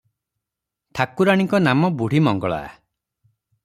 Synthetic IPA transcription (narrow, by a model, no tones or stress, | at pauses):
tʰakuɾaɽ̃iŋkɔnamɔbuɽ̤imɔŋɡɔɭa̰